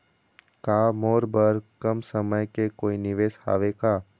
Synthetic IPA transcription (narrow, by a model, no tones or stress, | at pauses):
kaːmoːɾbəɾkəmsəməjkekoːinɪʋeːsha̰ːʋekaː